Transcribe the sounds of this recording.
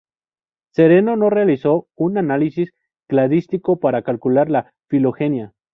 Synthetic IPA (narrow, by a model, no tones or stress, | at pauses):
se̞ɾe̞no̞no̞realiso̞unanalisis | klaðist̪iko̞paɾakalkulaɾla | filo̞xe̞nja